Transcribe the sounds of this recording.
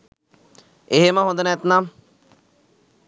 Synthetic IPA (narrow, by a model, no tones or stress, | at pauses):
eɦeməɦond̪ənæt̪nam